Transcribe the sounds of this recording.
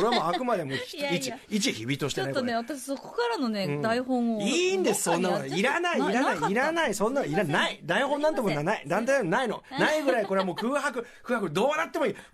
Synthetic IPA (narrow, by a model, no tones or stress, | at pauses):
oɾeamoakɯ̟mad̪e̞moit͡ɕiit͡ɕiçibʲit̪o̞ɕi̥t̪enaikːeat̪aɕi̥soko̥kaɾanonẽːd̪aiɦõoiːnd̪esɨ̥sõ̞nːamaiɾanaiːɾanaiiɾanaisõ̞nːaiɾanaid̪aihõnːãnt̪ekonanaid̪ãnt̪ajnamnaino̞̰naiɡɯ̟ɾaiko̞ɾeamo̞ːkɯ̟ːɦakɯ̟kkɯ̟ːhakɯ̟d̪o̞ːanat̪ːe̞moiː